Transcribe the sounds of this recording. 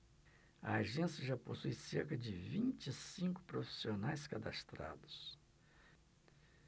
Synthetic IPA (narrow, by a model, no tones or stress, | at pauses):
ɐ̰aʒẽsjɐʒaposujseɾkɐd͡ʒɪvĩnt͡ʃɪsĩŋkʊ̥pɾofi̥sionajskad̪a̰st̪ɾa̰d̪ʊs